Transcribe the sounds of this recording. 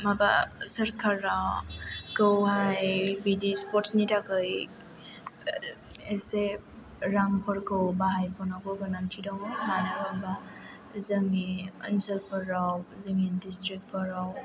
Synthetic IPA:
maba̰səɾkʰaɾːawkəwɦajbidispɔtnitʰakɯj | ese | ɾaŋpəɾkɯwbaɦajpɔnakɔɡanantʰidawmemajnaɔba | zəŋiə̰nsəlpəɾːawzɯŋindistɾik̚t̚pɔɾaw

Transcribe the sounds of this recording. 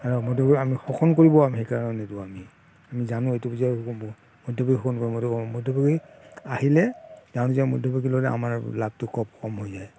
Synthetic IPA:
aɹɔmɔdɔbɔiamixɔkʰɔnkoɹibɔamhejkaɹananɛtuami | amizanʊejtubuziakukɔmbɔ | mɔdɔbaɡixɔkʰɔnkoɹimɔdɔkɔmɔdʱɔbɔɡi | ahilɛzanziamɔdʱɔbaɡilɔɾɛʔa̰maɹlab̚tʊkɔp̚kɔmɦojzaj

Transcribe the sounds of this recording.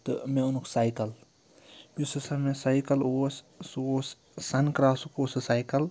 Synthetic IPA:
t̪ɨmeunuksaːjkɐl | jusɐsɐmẽsaːjkɐlo | sos | sɐnkɾaːsukosɨsaːjkɐl

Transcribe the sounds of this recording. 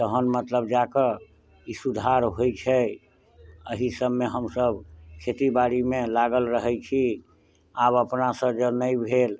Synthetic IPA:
t̪əɦənmət̪ləb̚d͡ʒakə | isud̪ʱaɾɦojt͡ʃʰɛ | əɦisəbːeɦəmsəbkʰet̪ibaɾimelaɡəlɾəɦɛt͡ʃʰi | abəpnasə̃d͡ʒənəjbʱel

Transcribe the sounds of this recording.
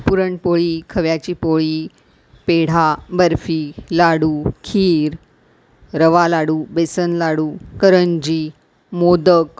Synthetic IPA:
puɾəɳpoɭiːkʰəʋjat͡ɕiːpoɭiː | peɽ̤abəɾfiːlaɽuːkʰiːɾ | ɾəʋalaɽuːbesənlaɽuːkəɾənd͡ʑiː | mod̪ək

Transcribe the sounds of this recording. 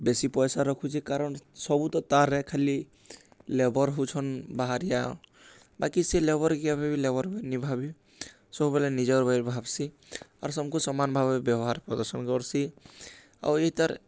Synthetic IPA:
besipɔjsaɾɔkʰut͡ʃʰikaɾɔnsɔbut̪ɔt̪aɾːɛkʰali | lebɔɾɦut͡ʃʰɔnbaɦaɾija | bakiselebɔɾɡijabʱabilebɔɾbʱnibʱabi | sɔbubelenid͡ʒɔɾbajɾbʱabsi | a̰ɾsɔmkusɔmanbʱabebjɔwɦaɾpɾɔd̪ɔɾsɔnkɔɾsi | a̰eɦit̪aɾ

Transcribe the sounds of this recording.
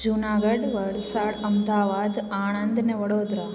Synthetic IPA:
d͡ʒunaɡəɖʋəɭsaɽəmd̪aːʋad̪aːɳ̃ənd̪ʱneʋəɽod̪ɾa

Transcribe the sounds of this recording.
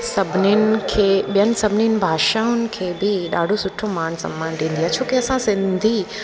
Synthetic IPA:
sɐbʱninɪ̆kʰeːɓijənɪ̆sɐbʱɪninɪ̆bʱaːʃaːʊnɪ̆kʰeːbɪɗa̰ːɖʱosʊʈʰomaːñsɐ̰̃mːaːnʈĩːnd̪iaːt͡ɕʰoːkeɐsãsɪ̃nd̪ʱi

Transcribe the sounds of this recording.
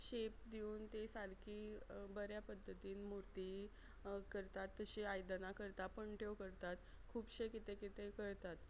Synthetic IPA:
ɕep̚d̪iuːnt̪esaɾkʰiːbəɾjapəd̪ʱːət̪iːnmuɾt̪i | kəɾt̪at̪ːəɕiajd̪nakəɾt̪apəɳʈʰeʋkəɾt̪at̪kʰuːpɕekit̪ekit̪ekəɾt̪at̪

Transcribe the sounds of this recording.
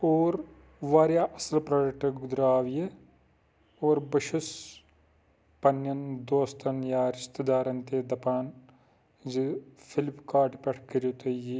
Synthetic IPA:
oːɾ | ʋaːɾjaːʔɐsɐlpɾɐːɾɐk̚ʈɐɡʊd̪ɾaːʋje | oːɾbɐʃus | pɐnjɐnd̪oːst̪ʰɐnjaːɾɪst̪ɐd̪aːɾɐnt̪eːd̪ɐpaːn | zifʰɪlpkaːʈipʲeʈʰkɐɾjuːt̪ɐji

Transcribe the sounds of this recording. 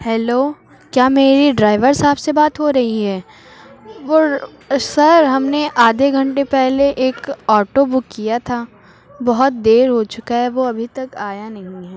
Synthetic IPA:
hɛːloː | kjaːmeːɾiɖɾaːɪʋəɾsaːbsebaːt̪ɦoɾɐɦiɦɛː | ʋoː | sɐɾɦɐmneʔaːd̪ʱeɡʱɐ̃ɳʈepɛɦleʔeːkɔːʈobʊkːijat̪ʰaː | bɔɦʊt̪̚d̪eːɾɦot͡ʃʊkaɦɛʋoɐbʱit̪ɐkaːjanɐɦĩɦɛː

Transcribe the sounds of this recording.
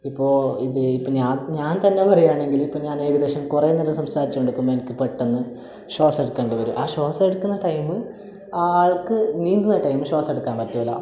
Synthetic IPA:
ipːo̞ːiðɨipːoɲaːɲaːnt̪ɐnːe̞pɐrɐjaːɳe̞ŋɡilipːoːɲaːne̞ːɣɐd̪eːɕɐmkurenːɐnːɐsɐmsaːɾit͡ɕːɐmeɖukːumenɐkʲːɨpeʈːenːɨ | ɕo̞ːse̞ɽukːeɳɖɨʋɐɾṵʔaːɕo̞ːseɽukːunːɐʈɐjmɨ | aaːɭkɨniːnd̪unːɐʈɐjmɨɕo̞ːse̞ɽukːaːnpɐtːuɐlːɐ̰

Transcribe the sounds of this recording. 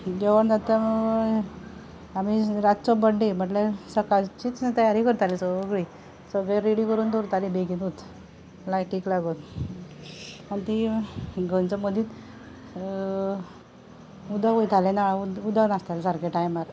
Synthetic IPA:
d͡ʑeʋəɳd͡zat̪aməɡ | amiɾat̪t͡sɔbəɳɖim̤əʈlesəkat͡ɕiːt͡snt̪əjaɾikəɾt̪alisəʋəɡɭi | səɡɭɛɾeɽikəɾuːnt̪oɾt̪alibeɡinut̪ | lajʈiːklaɡon | ant̪iɡʱənt͡sɔməd̪it̪ | ud̪aʋojt̪ʰalenaud̪anast̪alesaɾkeʈajmaɾ

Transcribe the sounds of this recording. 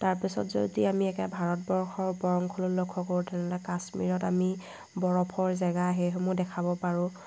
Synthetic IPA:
taɹpisɔ̰tzo̰diamiɛkɛbʱaɹɔt̚bɔɹxɔɹbɔɹɔŋkʰɔlʊlokʰːɔkoɹutʰɛnɛlɔkasmḭɹɔtami | bɔɹɔpʰɔɹzɛɡaɦejɦomʊdɛkʰabɔpaɹʊ̃

